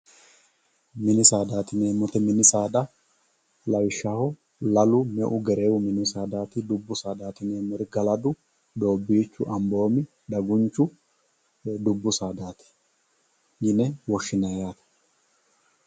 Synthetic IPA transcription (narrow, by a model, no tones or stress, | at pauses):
mɪnɪsaːd̪aːt̪ɪneːmɔt̪ɛmɪnɪsaːd̪ɐ | lɐwɪʃːaːhɔ | lɐlʊmɛʔʊɡɛɾe̞ːwʊmɪnɪsaːd̪aːt̪ɪd̪ʊbːʊsaːd̪aːt̪ɪneːmɔɾɡɐlɐd̪ʊ | d̪o̞ːbːiːt͡ʃːʊʔɐmbo̞ːmɪ | d̪ɐɡʊnt͡ʃːʊ | d̪ʊbːʊsaːd̪aːt̪ɪ̥ | jɪnɛwɔʃːɪnɐjaːt̪ɐ̥